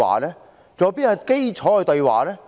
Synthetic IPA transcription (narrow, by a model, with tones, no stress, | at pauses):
a̰ː˨˩lɛː˥ | t͡sɔː˨˧piː˥ɐ˨˧ke˥jt͡sʰɔː˨˥hɵ˨˧t̪ɵ˧ɥwa̰ː˨˩lɛː˥